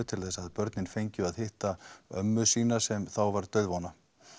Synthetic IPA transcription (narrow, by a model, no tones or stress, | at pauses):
ʏt̪ʰɪlθɛsaðpœɾt̪nɪnfejɲcʏaðhɪht̪aœmːʏsiːnasɛmθawvaɾt̪œɥðvɔna